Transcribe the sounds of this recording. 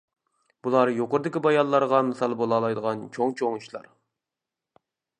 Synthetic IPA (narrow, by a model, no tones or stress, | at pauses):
b̥ulˠɑɾjoqʊɾd̪ɪkʲibɑjɑlːˠɑɾʁɑmɪsɑlˠbolˠɑːlˠɑjd̪əʁɑnt͡ʃʰoŋt͡ʃʰoŋuʃlˠɑ̰ɾ